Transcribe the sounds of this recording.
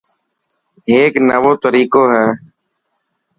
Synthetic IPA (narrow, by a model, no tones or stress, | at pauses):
eːknəʋoːt̪əɾiːkoːɦɛː